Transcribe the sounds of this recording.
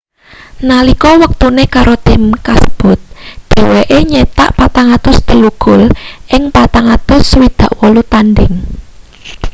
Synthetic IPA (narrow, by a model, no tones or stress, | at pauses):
nalikɔwək̚t̪unekaɾot̪ɪmkasəb̥ʊ̤t̪̚d̪̥e̤weʔeɲet̪a̰ʔpat̪aŋat̪ʊst̪əluɡ̥ʊlʔɪŋpat̪aŋat̪ʊswid̪̥ä̤ʔwɔlut̪anɖɪŋ